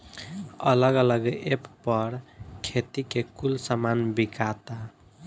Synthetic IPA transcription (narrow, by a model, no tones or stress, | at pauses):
ələɡələɡeppʌɾkʰet̪ikekulsamanbikat̪a